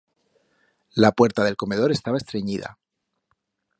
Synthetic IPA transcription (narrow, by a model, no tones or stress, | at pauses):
lapwe̞ɾt̪aðe̞lko̞me̞ð̞o̞ɾe̞st̪aβest̪ɾe̞ɲiða̰